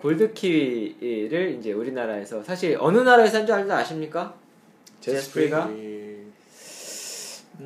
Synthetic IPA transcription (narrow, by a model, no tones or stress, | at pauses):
koɭdɯkʰiwiɾɯɭind͡ʑe̞uɾinaɾae̞sʰʌsʰaɕʰiɾʌnɯnaɾaes̬ʰad͡ʑoaɲdaaɕʰimɲik͈a | t͡ɕepʰɾeɡa